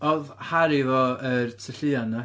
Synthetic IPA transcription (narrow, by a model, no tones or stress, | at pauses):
ɔðhaɾivɔərtʰəɬɨana